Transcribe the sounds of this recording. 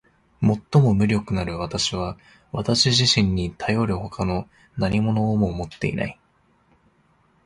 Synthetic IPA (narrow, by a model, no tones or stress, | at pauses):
mo̞t̪ːo̞mo̞mɯ̟ɾʲo̞kɯ̟naɾɯ̟βat̪aɕiβ̞a | βat̪aɕiʑiɕĩɲ̟ːit̪ʰajo̞ɾɯ̟ho̞kano̞ | naɲʲimo̞no̞ːmo̞mo̞t̪ːe̞̰ḭna̰i